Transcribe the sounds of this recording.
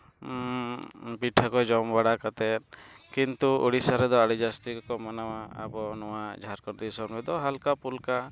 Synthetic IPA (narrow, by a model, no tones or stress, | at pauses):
piʈʰakɔd͡ʒɔmbaɽakat̪ɛt̪̚kint̪uṵɽisaɾɛd̪ɔaɽid͡ʒast̪ikkɔmanawaa̰bɔnɔwad͡ʒʱaɾkɔɾd̪isɔbɛd̪ɔɦalkapulka